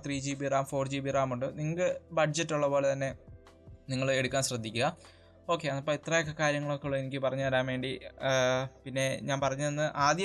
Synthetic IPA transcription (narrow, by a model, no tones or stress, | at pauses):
t̪riːd͡ʑiːbiraːmfo̞ːrd͡ʑiːbiraːmuɳɖɨniŋːɐkɨbɐɖd͡ʑɐtːuɭːɐpo̞ːɭet̪ɐnːe̞ | niŋːɐɭeɽukʲːaːnɕrɐd̪ʱːikʲːuɣɐ | o̞ːkːe̞ɐnːɐpːoit̪rɐjekʰːɐkaːɾjɐŋːɐɭokːeɭːɐenikʲːɨpɐrɐɲːɨʋɐɾaːmʋeːɳɖi | pinːe̞ɲaːnpɐrɐɲːɨðenːɨʔaːd̪jɐ